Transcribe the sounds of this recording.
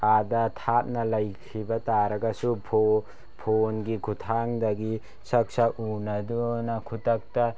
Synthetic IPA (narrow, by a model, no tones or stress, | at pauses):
adɐtʰat̚nɐlɐjkʰibɐtaɾɐɡɐsupʰo | pʰonɡikʰutʰaŋdɐɡi | sɐk̚saʔunɐdunɐkʰutɐk̚ta